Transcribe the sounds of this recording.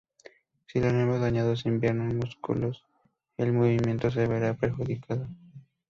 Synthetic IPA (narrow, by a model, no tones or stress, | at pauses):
silonoemozðaɲaðos̬imbjeɾnosmuskṵlos | elmoβimje̞nt̪os̬eβeɾapɾeɾxuðikʰaðo